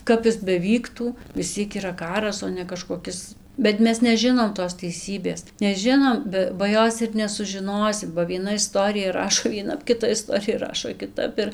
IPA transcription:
ˈkɐp ɪs bʲɛˈʋʲiːktuː ʋʲɪs ˈt͡sʲiɛk iːˈrɐ ˈkɑːrɐs oː nʲɛ kɐʃkoːˈkʲɪs bʲɛt ˈmʲɛs nʲɛˈʒʲɪnoːm toːs tʲɛɪˈsʲiːbʲeːs nʲɛˈʒʲɪnoːm ˈbʲɛ bɐ ˈjoːs ɪr nʲɛsʊʒʲɪˈnoːsʲɪm bɐ ʋʲiɛˈnɐ ɪˈstoːrʲɪjɛ ˈrɑːʃoː ʋʲiɛˈnɐp kʲɪˈtɐ ɪˈstoːrʲɪjɛˈrɑːʃoː kʲɪˈtɐp ɪr

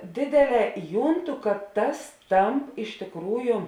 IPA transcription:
ˈdʲeːdʲeːˌlʲɛː ˈjuːnˌtʊ kɐt tɐs ˈtɐmp ɪʃ tʲeːkˈruːjʊ

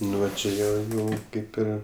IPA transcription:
ˈnʊ ʋɐ t͡ʃʲɛ ˈjiɛ ˈjɛʊ ˈkɐɪp ˈɪr

